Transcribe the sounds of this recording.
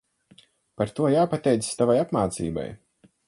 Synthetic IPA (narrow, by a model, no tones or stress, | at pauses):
paɾt̪uɔjaːpat̪ɛjt̪sst̪avajapmaːt̪sḭːba̰j